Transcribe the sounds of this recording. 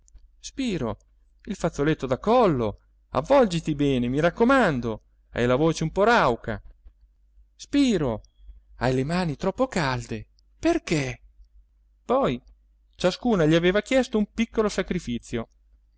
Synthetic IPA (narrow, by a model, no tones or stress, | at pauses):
spiːɾo̰ | ilfat̪sːolet̪ːod̪akɔlːo | a̰vːɔld͡ʒit̪ibɛːnemiɾakːomand̪o | ɛ̰jlavoːt͡ʃeumpɔɾawkʰa̰ | spiːɾo | ajlemaːnit̪ɾɔpːokald̪e | perke | pɔj | t͡ʃaskuːnaʎiaveːvak̟jɛst̪oumpikːolosakɾifit̪sːjo